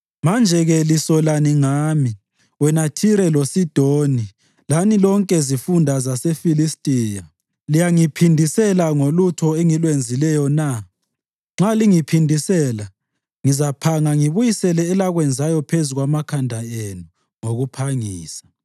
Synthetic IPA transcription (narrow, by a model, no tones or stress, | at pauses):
mand͡ʒʱɛɣɛlisɔlaniŋaːmi | wɛnatʰiɾɛlosid̥ʱoni | lanilɔŋkʼɛzifundʱazasefilistʼiːja | lijaŋipʰindʱisɛlaŋolutʰɔɛŋilwend͡zʱilɛjɔna | ŋ͡ǁaliŋipʰindʱisɛla | ŋizapʰaŋaŋiβujisɛlɛːlaɣwɛnd͡zʱajɔpʰezuɣwamakʰandʱaenu | ŋoɣupʰaŋiːsḁ